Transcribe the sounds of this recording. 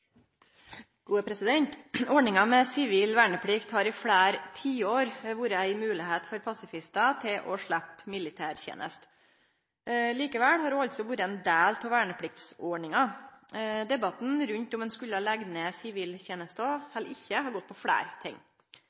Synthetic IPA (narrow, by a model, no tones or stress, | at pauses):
ɡ̥uːəpʰɾɛsɪd̪ɛnt̪ɔɳɪŋɑmɛsɪʋiːlʋæːɳəpʰɽɪkt̪hɑɾɪfɽæːɾt̪ʰiːoːɾʋuːɾəæɪmʉːlɪheːt̪fɔɾpʰɑsɪfɪst̪ɑt̪ʰɪlʔɔʂɭæpːmɪlɪt̪ʰæːɾçḛːnʔə̰st̪ | liːkəʋɛlhɑɾɖuːɑlt̪sɔʋuːɾəɛnd̪æːlt̪ʰɔʋæːɳəpʰɽɪk̚t̪sɔɳɪŋɑ | d̪ɛbɑt̪nɾʉɲt̪ɔmɛːnskʉlːəlɛɡnesɪʋiːlçeːnəst̪ɔhɛlɪçːəhɑɾɡɔt̪̚ːpʰɔfɽæ̰ːɾt̪ʰɪ̰ŋː